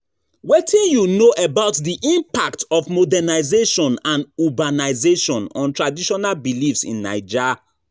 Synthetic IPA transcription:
wetʰĩnjunoʔəbaʊtdiʔĩmpaktɔfmodɛnaɪzeʃɔ̃nãnubanaɪzeʃɔ̃nɔ̰̃ntɹadiʃɔnalbilifsḭ̃nːa̰ɪd͡ʒɛ

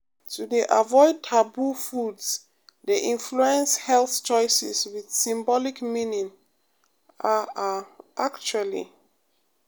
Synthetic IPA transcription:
tʰudiʔavɔɪd̚tʰabufuds | diʔĩnfluɛ̃nshɛlθt͡ʃɔɪsḭswið̥sĩmbɔlikmĩnĩŋ | a | ʔakt͡ʃualḭ

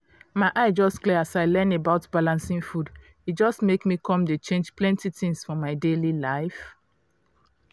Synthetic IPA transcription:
maɪʔaɪd͡ʒɔstkliasaɪlɛ̃nebaʊtb̥alãnsĩŋfud | id͡ʒɔstmekmikʰɔ̃mdet͡ʃẽnd͡ʒplɛ̃ntitĩŋsfɔmaɪdelilaɪf

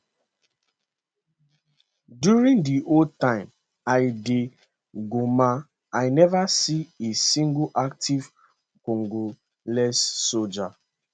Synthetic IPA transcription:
djuɾĩŋdiʔol̚tãɪ̃m | aɪdɪ | ɡoma | aɪnɛvasiesĩŋɡuʔak̚tiv | koŋɡo | lɛsːod͡ʒa

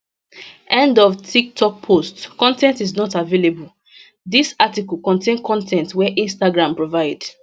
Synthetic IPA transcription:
ʔɛ̃ndɔvtʰik̚tʰɔk̚pʰostkɔ̃ntɛ̃ntiznɔtavelebul | disatikɔl̩kɔ̃ntʰẽnkʰɔ̃ntʰɛ̃ntwɛʔĩnstaɡɹãmpɹovaɪd

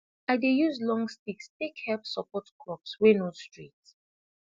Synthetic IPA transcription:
aɪdejuzlɔ̃ŋstikstekhɛpsɔpɔtkʰɹɔpswenostɹit

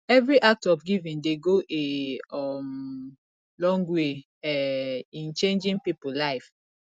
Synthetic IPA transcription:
ɛvɹiʔak̚tɔfɡivĩndeɡoʔe | m | lɔ̃ŋɡwe | ɛĩnt͡ʃẽnd͡ʒĩnpipulaɪf

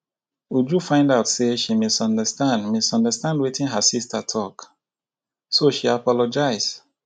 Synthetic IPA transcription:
wud͡ʒufãɪ̃ndaʊtseʃimestɔ̃ndəstãndmestɔ̃ndəstãndwitĩnɦasistʰatʰɔk | soʃiapɔlɔd͡ʒaɪs

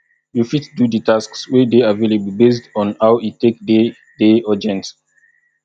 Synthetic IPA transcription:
jufitdudətaskswɛdeavelebəl̩bes̬tɔ̃nhawitːekde | dead͡ʒɛ̃nt

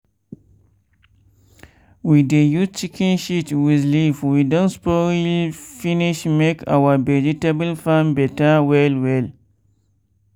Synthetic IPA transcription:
widejust͡ʃikʰĩnʃitwiðlifwidõnspɔilfiniʃmekʰa̰wavɛd͡ʒitebəlfãnbɛtawɛlwɛl

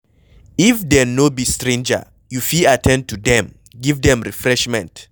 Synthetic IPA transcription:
ifdɛnobistɹẽnd͡ʒə̰ | jufiatʰɛ̃nd̚tudɛ̃m | ɡivdɛ̃mɹifɹɛʃmɛ̃nt

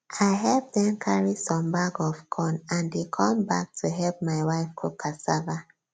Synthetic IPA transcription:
ʔaɪɦɛlp̚ðɛ̃nkʰaɹisɔ̃mbaɡɔvkʰɔ̃nãndekʰɔ̃mbak̚tʰuɦɛlp̚maɪwaɪfkʰukʰasava

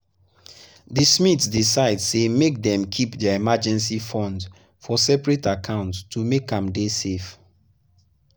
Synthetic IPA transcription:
ðismitsdisaɪdsemek̚dɛ̃mkʰipdəimad͡ʒɛ̃nsifɔ̃nd | fɔsɛpɹetakʰãʊ̃nttʰumekãmdesef

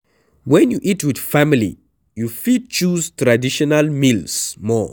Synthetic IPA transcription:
wɛ̃njuʔitwɪð̥familḭ | jufid̚t͡ʃuztɹadiʃɔnalmilsmɔ̰

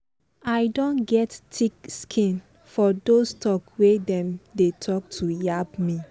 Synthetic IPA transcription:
ajdõnɡɛttʰikskʰĩn | fɔdostʰɔkwedɛ̃mdetʰɔk̚tʰujabmi

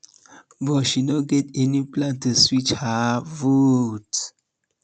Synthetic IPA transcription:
bɔʃinoɡɛtɛniplãntuswit͡ʃhavut

